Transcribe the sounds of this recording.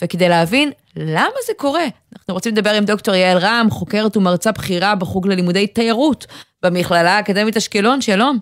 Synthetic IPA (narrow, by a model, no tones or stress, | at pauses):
veked̪ejleavin | lamazeko̞ʁe̞anaχnuʁot͡simled̪abe̞ʁimd̪o̞kto̞ʁjaelʁamχo̞ke̞ʁetumaʁt͡sabχiʁabeχuɡlelimudejtajaʁutbemiχlalaːkademetaʃkelo̞nʃalo̞m